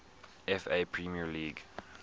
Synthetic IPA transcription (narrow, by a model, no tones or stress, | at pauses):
ɛfepʰɹimiəliɡ